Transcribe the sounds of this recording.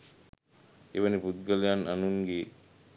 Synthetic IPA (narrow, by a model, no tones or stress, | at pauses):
eʋənipud̪̚ɡəlejananuŋɡe